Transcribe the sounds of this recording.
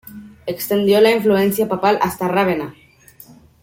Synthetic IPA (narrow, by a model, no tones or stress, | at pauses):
ekst̪end̪jolaiɱfluensjapapalʔa̰st̪araβ̞ena